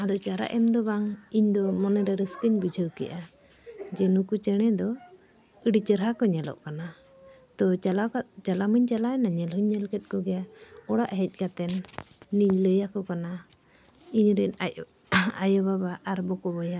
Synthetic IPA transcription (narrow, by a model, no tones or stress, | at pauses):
ad̪ɔt͡ʃaɾa̰ʔɛmd̪ɔbaŋiɲd̪ɔmɔnɛɾɛɾəskəɲbid͡ʒʱəwkɛ̰ʔa | d͡ʒɛnukut͡ʃəɽ̃ɛd̪ɔ | əɽit͡ʃəɾɦakɔɲɛlɔ̰ʔkana | t̪ɔalat͡ʃalaməɲt͡ʃalaɛnaɲɛlɦuɲːɛlkɛt̪̚ˀkɔɡɛjaɔɽa̰ʔɦɛc̪̚ˀkat̪ɛnːiɲləjakɔkana | iɲɾɛ | a̰jɔβabaʔːɾbɔkɔbɔja